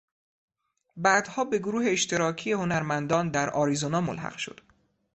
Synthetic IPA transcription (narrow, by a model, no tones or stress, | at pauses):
bæːd̪̥hɒːbe̞ɡoɾuːɦe̞ːʃt̪ʰe̞ɾɒːcʰije̞ho̞næɾmænd̪ɒːnd̪æɾɒːɾizonɒːmo̰lhæ̰qʃo̞̰d̪̥